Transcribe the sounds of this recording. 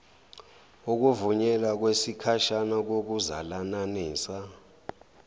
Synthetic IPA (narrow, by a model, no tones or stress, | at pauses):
uk̬uvuɲɛlak̬wesikʰaʃanak̬ok̬uza̰lananiːsa